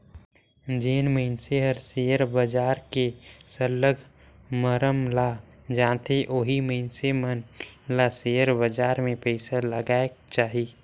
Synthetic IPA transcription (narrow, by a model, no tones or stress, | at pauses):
d͡ʒeːnməɪnseɦəɾsejəɾbəd͡ʒaːɾkesəlːəɡ | məɾəmla | d͡ʒãːt̪ʰeʔoːɦiməɪnsemənlasejəɾbəd͡ʒaːɾmẽpɛɪsaləɡaːek̚t͡ʃaːɦi